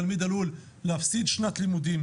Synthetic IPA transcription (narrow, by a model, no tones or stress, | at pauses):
almiːd̪alulː | hafsid̪ʃnat̪limud̪im